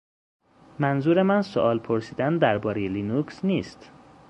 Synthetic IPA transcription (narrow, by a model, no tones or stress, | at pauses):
mænzuːɾe̞mænso̰ʔɒːlpʰoɾsiːd̪ænd̪æɾbɒːɾejeliːnuːksniːst̪